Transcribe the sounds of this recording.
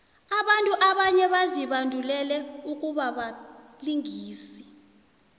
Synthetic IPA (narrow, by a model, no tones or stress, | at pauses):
aɓantʼuʔaɓaɲɛɓaziɓandʱulɛlɛuk̬ʼuɓaɓa | liŋiːsi̥